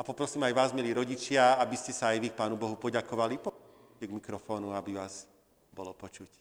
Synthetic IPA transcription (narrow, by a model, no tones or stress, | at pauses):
apɔpɾɔsiːmajʋaːzmiliːɾɔɟit͡ʃɪaabiscɛsaːjʋik̚paːnubɔɦupɔɟakɔʋalipɔ | cɛɡmikɾɔfɔːnuabiʋaːz̥ | bɔlɔpɔt͡ʃuc